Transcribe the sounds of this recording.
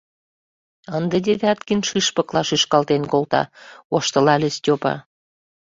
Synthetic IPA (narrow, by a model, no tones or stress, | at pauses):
ənd̪əd̪ʲeβʲɑt̪kinʃiʃpɤ̆klɑʃyʃkɑlt̪enkolt̪ɑ̰oʃt̪ə̆lɑlʲestʲopɑ̰